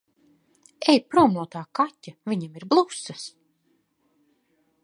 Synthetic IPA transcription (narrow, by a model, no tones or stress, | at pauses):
ɛjpɾuɔmlˠuɔt̪aːkatʲːavʲiɲemiɾblˠusːas